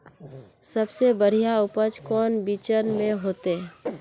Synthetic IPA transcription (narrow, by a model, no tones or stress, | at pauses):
səbsebəɽ̤ijaʊpət͡ʃkɔːnbit͡ʃənmẽɦoːt̪e